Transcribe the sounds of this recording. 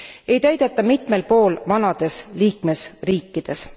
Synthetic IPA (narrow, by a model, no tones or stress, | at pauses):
e̞jt̪æjd̪̥e̞t̪ːˑɑmit̪me̞lpo̞ːlvɑnɑd̪̥e̞sliːkme̞sriːkːˑid̪̥e̞s